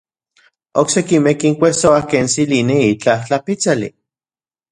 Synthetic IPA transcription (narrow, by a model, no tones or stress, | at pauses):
oksekimekiŋkʷesoahkeːnsilineit͡ɬaht͡ɬapit͡salḭ